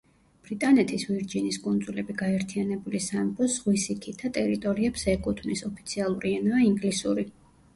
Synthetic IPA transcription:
b̥ɾit̪ʼanɛt̪ʰisviɾd͡ʒiniskʼund̪zulɛbiɡaɛɾt̪ʰianɛbulisampʰɔsʁwisikʰit̪ʰat̪ʼɛɾit̪ʼɔɾiɛpsɛkʼut̪ʰmnisɔpʰit̪sʰialˠuɾiɛnɔaiŋɡlisuɾi

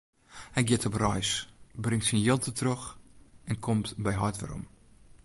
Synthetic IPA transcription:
hɛjɡjɪətʰɔprɔjsbrɪŋtsinjɪlˠtʰətrøxɛnkʰɔmtbɛjɦɔjtʋə̰ɾɔ̰m

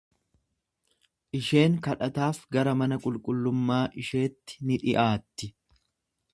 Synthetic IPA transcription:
ʔɪʃe̞ːŋkɐᶑɐt̪aːfɡɐɾɐmɐnɐkʼʊlkʼʊlːʊmːaːʔɪʃe̞ːt̪ːɪ̥nɪᶑɪ̰ʔaːt̪ːɪ

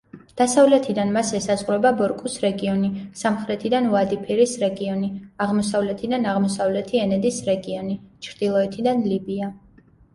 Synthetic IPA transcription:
d̪̥asavlɛt̪ʰid̪anmasɛsazʁɾɛbabɔɾkʼusɾɛɡiɔnisamχɾɛt̪ʰid̪anuad̪ipʰiɾisɾɛɡiɔniaʁmɔsavlɛt̪ʰid̪anaʁmɔsavlɛt̪ʰiɛnɛd̪isɾɛɡiɔnit͡ʃʰɾd̪̥ilˠɔɛt̪ʰid̪anlibia

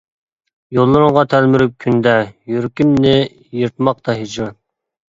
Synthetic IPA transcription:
jolˠːɨɾɨŋʁɑt̪ʰælmyɾyp̚kʲʰynd̪ɛjyɾkʲimnɪ | jɨɾt̪̚mɑq̚t̪ʰɑɦid͡ʒɑ

